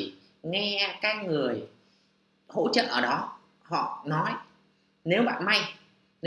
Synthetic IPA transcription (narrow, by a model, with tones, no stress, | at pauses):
ŋɛ˧kaː˨˦˥k̚ŋɨ˨˩əj | ho̰˧˥t͡ɕə̰˧˨ʔəː˧˩ɗɔ˨˦ | hɔ̰˧˨nɔ˨˦j | ne˨˦wɓa̰ː˧˨nma˧j | ne˨